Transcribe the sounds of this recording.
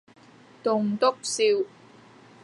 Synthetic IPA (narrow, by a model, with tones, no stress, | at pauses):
t̪ʊ˨ŋt̪ʊ˥k̚siː˧w